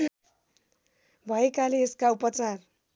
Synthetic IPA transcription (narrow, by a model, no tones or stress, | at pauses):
bʱʌekaleeskaupʌt͡sar